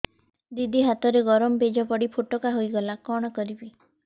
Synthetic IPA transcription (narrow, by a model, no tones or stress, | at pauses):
d̪id̪iɦat̪ɔɾeɡɔɾɔmɔbed͡ʒɔpɔɽipʰoʈɔkaɦojɡɔlakɔɽ̃ɔkɔɾibi